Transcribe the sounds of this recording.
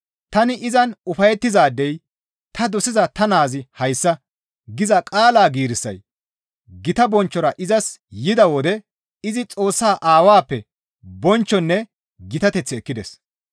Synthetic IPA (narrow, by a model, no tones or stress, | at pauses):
t̪ɐnɪʔɪzɐnʊfɐjɛt̪ːɪzaːd̪ːɛj | t̪ɐd̪ɔsɪzɐt̪ɐnaːzɪhɐjsːɐ | ɡɪzɐkʼaːlaːɡiːɾɪsːɐ̰j | ɡɪt̪ɐbɔnt͡ʃːɔɾɐʔɪzɐsjɪd̪ɐwɔd̪ɛ | ɪzɪt͡sʼo̞ːsːaːʔaːwaːpːɛ | bɔnt͡ʃːɔnːɛ | ɡɪt̪ɐt̪ɛt͡sːɪɛkːɪd̪ɛ̰s